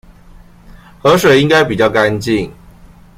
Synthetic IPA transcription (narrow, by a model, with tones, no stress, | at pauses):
xɤ˨˦ʂwe˨˩i˦ŋka˥ɪpi˨˩t͡ɕjɑ˥˩ʊka˦nt͡ɕi˥˨ŋ